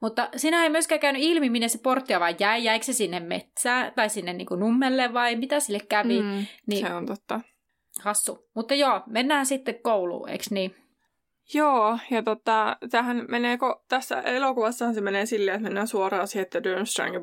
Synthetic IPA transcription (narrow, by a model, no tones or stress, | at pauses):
mut̪ːɑsinæeimyeskæːkæynyilmimineseport̪ːiɑʋɑijjæijæiksesinːemmḛt̪sæːt̪ɑisinːennḭŋkunumːelːeʋʋɑimit̪æsilːekkæʋinisseont̪ot̪ːɑ | hɑsːumut̪ːɑjoːmenːæːsit̪ːekkoulṵːḛksniː | joːjɑt̪ot̪ːɑt̪æhænmeneːkot̪æsːæ̰ʔelokuʋɑsːɑhɑnsemeneːsilːeet̪menːæːsuorɑːsiet̪ːædønst̪ræ̰ŋɡi